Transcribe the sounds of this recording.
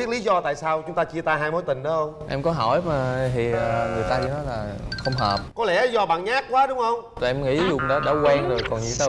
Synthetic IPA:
ɓi˦˥ət̚li˨˦zɔ˧t̪a̰ː˧˨jsaː˧wt͡ɕʊ˨˦ŋ͡mt̪aː˧t͡ɕi˧ət̪aː˧ɦaː˧jmo˨˦jt̪ï˨˩ŋ̟ɗɔ˨˦hə˧wŋ͡mʔɛ˧mkɔ˨˦ɦɔ˧˩jmaː˨˩t̪ʰi˨˩əː˨˩ŋɨ˨˩əjt̪aː˧ki˧˩nɔ˨˦laː˨˩xə˧wŋ͡mɦəː˨˩p̚kɔ˨˦lɛː˧˩ʔzɔ˧ɓa̰ː˧˨nɲaː˦˥kkwaː˨˦ɗʊ˨˦ŋ͡mxə˧wŋ͡mt̪ːʔɛ˧mŋḭ˧˥˧zʊ̰˧˩˨ŋ͡mɗɔ˨˦ɗa̰ː˧˩˦kwɛː˧ŋzo˨˩jkɔ˨˩nɲḭ˧˦t̪a˧˦

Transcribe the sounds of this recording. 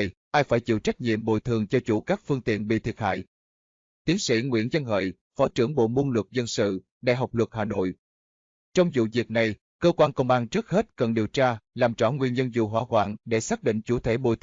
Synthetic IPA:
jʔaː˧jfaː˧˩jt͡ɕḭ˧˨əwt͡ɕa˦˥k̚ɲḭ˧˨əmɓo̰˧˨jt̪ʰɨ˨˩əŋt͡ɕɔ˧t͡ɕu˧˩kaː˦˥k̚fɨ˧əŋt̪ḭ˧˨ənɓḭ˧˨t̪ʰi˨˩ət̚ha̰ː˧˨j | t̪i˨˦ənsḭ˧˥ŋwḭ˧˥ənzə˧nhə̰ː˧˨j | fɔ˨˦t͡ɕɨ˧˩əŋɓo̰˧˨mu˧nlɨ˨˩k̚zə˧nsɨ̰˧˨ | ɗa̰ː˧˨jɦa˨˩wk͡p̚lwə˨˩k̚haː˨˩no̰˧˨j | t͡ɕɔ˧wŋ͡mzṵ˧˨vi˨˩ək̚na˨˩j | kəː˧kwaː˧nkə˧wŋ͡mɓaː˧nt͡ɕɨ˦˥ək̚he˦˥t̚kə˨˩nɗi˨˩əwt͡ɕaː˧laː˨˩mt͡ɕɔ˧˩ŋwi˧˩ənzə˧nzṵ˧˨˩ɦwaː˧˥kwa̰ː˧˨nɗe˧˩saː˦˥k̚ɗḭ˧˨ŋ̟t͡ɕu˧˩t̪ʰe˧˩˦ɓo̰˧˨jt

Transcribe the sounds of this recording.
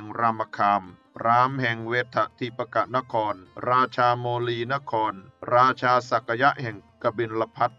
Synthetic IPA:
ŋɾa˧mːa˧kʰaː˧m | ɾaː˦˥mhɛ˨˩ŋweː˧˥t̪ʰːa˨˩t̪ʰiː˧˩pːa˧ka˨˩na˦˥kʰɔː˧nɾaː˧t͡ɕʰaː˧moː˧liː˧na˦˥kʰɔː˧nɾaː˧t͡ɕʰaː˧sa˨˩kʰːa˧ja˦˥ʔhɛ˨˩ŋka˧bi˧nla˧pʰa˦˥t̪̚

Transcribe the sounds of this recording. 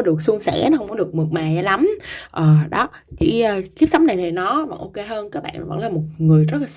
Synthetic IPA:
ɔ˨˦ɗɨ˨˩ək̚su˧əŋsɛ̰˧˥nɔ˦hə˧wŋ͡mkɔ˨˦ɗɨ˨˩ək̚mɨ˨˩k̚maː˨˩jla˨˦mʔəː˨˩ɗɔ˨˦ | t͡ɕḭ˧˩˥ʔəː˨˩ki˦˥p̚sa˨˦wŋ͡mna˨˩jt̪ʰə˨˩nɔ˨˦va̰˨˩ʔo˧ke˧ɦəː˧nkaː˦˥k̚ɓa̰ː˧˨n˨˦və̰˧˥ŋlaː˨˩mo˨˩t̚ŋɨ˨˩əjzə˦˥t̚la˨˩

